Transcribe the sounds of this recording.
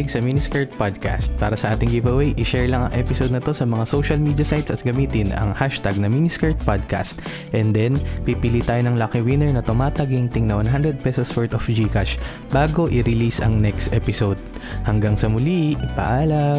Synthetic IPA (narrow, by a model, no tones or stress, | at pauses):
ɪɡsɐminiskɛɹt̪̚pad̪̚ka̰st̪̚paːɾɐsɐʔaːt̪ɪŋɡivɐwɛjʔɪʃɛɹlɐŋɐ̰ŋʔɛpɪsod̪̚nɐt̪o̞sɐmɐŋasowʃɐlmiːd̪jɐsajt̪sɐt̪̚ɡɐmiːt̪ɪnɐ̰ŋhaʃt̪aɡ̚nɐminiskɛɹt̪̚pad̪̚ka̰st̪ | ʔɛnd̪ɛnpipɪlit̪aːjonɐŋlakɪwɪnɛɹnɐt̪ʊmaːt̪ɐɡɪŋt̪ɪŋnɐwɐnɦand̪ɾɛd̪̚pɛsoswɛɹt̪ofd͡ʒikaʃ | baːɡo̞ʔɪɾɪlisɐŋnɛkst̪ʔɛpɪsowd̪̚ | hɐŋɡaŋsɐmʊlipɐ̰ʔaːlɐ